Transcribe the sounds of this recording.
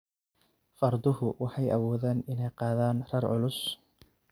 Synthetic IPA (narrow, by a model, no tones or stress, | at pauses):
fɐrd̪ʊhʊwʔɑħɑjɐwɔːðaːnɪnɛjqɑːðaːnrɐrʕʊ̰lʊs